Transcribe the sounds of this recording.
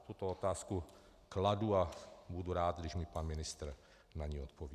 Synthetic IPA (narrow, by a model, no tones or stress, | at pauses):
t̪ut̪oot̪aːsku | kladuabuduɾaːd̪ɡdɪʃmɪpanmɪnɪst̪ɾ̩ | naɲiːot̪̚pov